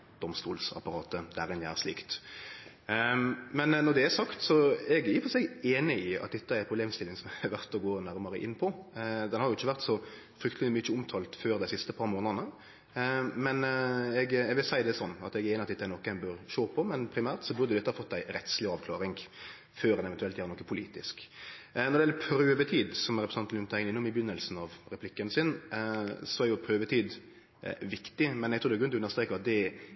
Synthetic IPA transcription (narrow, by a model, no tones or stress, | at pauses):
d̪̥ɔmst̪uːlsɑ̰pɑɾɑːt̪əd̪æɾɪnjææ̰ʁsliːkt̪ | mɛnnɔd̪ɛæsɑkt̪sɔɛɡæɾjʊfɔsɛɡeːnɪɪɑ̰t̪̚d̪ɛt̪ːəæɾpʰʁʊbleːmst̪ɪlːɪŋsɔmɛæʋæɾt̪ɔɡoːnæɾməɾəʔɪnːpʰɔd̪ɛnhɑɾjʊɪçːəʋæʁt̪sɔ | fɾʏkt̪əlmʏəʊmt̪ʰɑːlt̪føːɾd̪æɪsɪst̪əpʰɑɾmoːnəd̪nə | mɛnɛɡɛʋɪlsæɪd̪ɛsɔnːɑ̰t̪ɛɡeːnəɑt̪d̪ɛt̪ːɛnɔkːæɪnbøɾʃoːpʰɔmɛnpʰɾɪmæːɾt̪sɔbʉɾd̪əɛʊd̪ɛt̪ːhɑfɔt̪ːæɪɾɛt̪slɪɑːʋkʰlɑːɾɪŋ | føːɾɛnɛʋɛnt̪ʉɛlt̪jæːɾnɔkːəpʰʊliːt̪ɪsknɔʁd̪ɛɛlːəpʰɾøːʋət̪ʰiːd̪sɔmɾɛpɾɛsɑnt̪lʉnt̪ʰæɪnɪnːʊmɪbjʏnːəlsn̩ɑʋɾɛpʰlɪkːənsɪn | sɔæɾjʊpʰɾøːʋət̪ʰiːd̪ | ʋɪkt̪ɪmɛnɛɡ̚tʰud̪ɛɡʉʏnɔʉnəʁst̪ɾeːkəɑt̪̚d̪ɛ